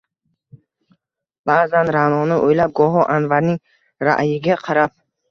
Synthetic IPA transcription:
baːzanɾanɔnəʔojlab̚ɡɔɦɔʔanvaɾni | ɾa̰ʔjiɡaqʰaɾab̚

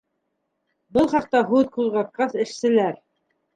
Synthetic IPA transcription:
bɤlˠχɑq̚t̪ɑɦʉðquzʁɑt̪̚qɑθɘ̆ʃsɘ̆læɾ

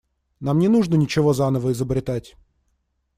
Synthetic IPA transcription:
namnʲɪnuʐnənʲɪt͡ɕɪvo̞zanəvəɪzəbɾʲɪt̪atʲ

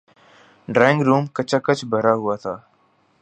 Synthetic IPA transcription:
ɖɾɛːŋɡɾuːmkət͡ʃaːkət͡ʃbʱəɾaːɦʊaːt̪ʰaː

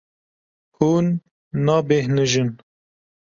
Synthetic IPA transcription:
huːnː | ɑːbehnɨʒɨn

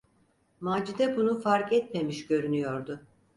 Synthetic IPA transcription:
maːd͡ʒid̪ɛbunufaɾkɛt̪me̞miʃɟø̞ɾynyjo̞ɾd̪ʊ

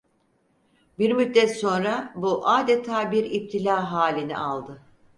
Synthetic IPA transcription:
biɾmyt̪̚d̪ɛt̪so̞nɾabuʔaːd̪et̪ʰaːbiɾip̚t̪ʰilʲaːɦaːlʲinḭʔalˠd̪ɯ

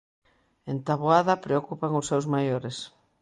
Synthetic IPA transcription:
ent̪aβoaðɐpɾeokupaŋʊsːewzmajoɾes

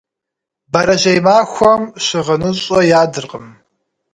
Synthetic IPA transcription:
bɐɾɐʑejmaːxʷɔmɕɪʁɐnɨɕʼɔjaːdɨrqəm

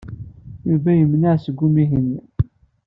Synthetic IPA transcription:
juvæjəmnaʕsəɡʷːumiɦənː

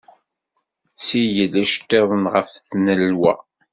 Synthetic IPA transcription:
sijəlːæʃt̪ːeðˤənʁəfθnəlwæ̰

